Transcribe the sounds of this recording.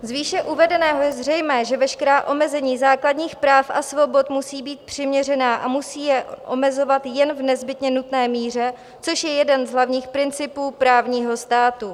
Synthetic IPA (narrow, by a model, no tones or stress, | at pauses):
zviːʃɛʔuvɛdɛnɛːɦo̞jɛzr̝ɛjmɛːʒɛvɛʃkɛɾaːʔo̞mɛzɛɲiːzaːkladɲiːxpɾaːfʔa̰svo̞bo̞t̪musiːbiːt̪̚pr̝̥ɪmɲɛrɛnaːʔamusiːjɛʔomɛzo̞vat̪jɛnvnɛzbɪt̪ɲɛnut̪nɛːmiːr̝ɛ | t͡so̞ʃjɛjɛdɛnzɦlavɲiːxpɾɪnt͡sɪpuːpɾaːvɲiːɦo̞st̪aːt̪u